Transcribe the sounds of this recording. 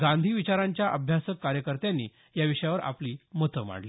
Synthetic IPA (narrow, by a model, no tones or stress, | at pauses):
ɡãnd̪ʱiːʋit͡ɕaɾãɲt͡ɕjaʔəbʱjasəkːaɾjəkəɾt̪jãnːḭː | jaʋiʂjaʋəɾa̰pliːmət̪əma̰ɳli